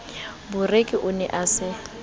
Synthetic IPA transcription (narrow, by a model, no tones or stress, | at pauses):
bʊrekʼɪʔʊnɛ̰ʔasɪ